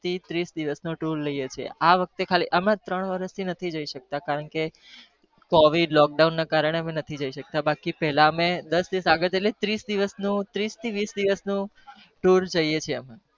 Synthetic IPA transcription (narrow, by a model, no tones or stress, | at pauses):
t̪ʰit̪ɾisd̪iʋəsnũʈuɾləjet͡ʃʰḛʔaʋək̚t̪ekʰalḭʔəmãt̪ɾəɳ̃ʋəɾəst̪ʰinət̪ʰid͡ʒəiʃək̚t̪akaɾəɳke | kɔʋiɖlɔk̚ɖaunːakaɾəɳ̃eəmenət̪ʰid͡ʒəiʃək̚t̪abakipɛɦlaəmed̪əsd̪iʋəsaɡəɾelet̪ɾisd̪iʋəsnũt̪ɾist̪ʰiʋisd̪iʋəsnũ | ʈuɾd͡ʒəjet͡ʃʰeəmẽ